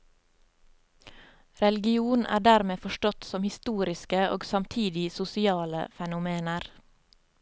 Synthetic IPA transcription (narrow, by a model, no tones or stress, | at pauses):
ɾɛlɪɡɪuːnʔæ̰ːɖæɾmeːfɔʃʈɔt̪sɔmhɪst̪uːɾɪskəo̰ːɡsɑmt̪ʰiːd̪ɪsʊsɪɑːlə̰fɛnʊmeːnəɾ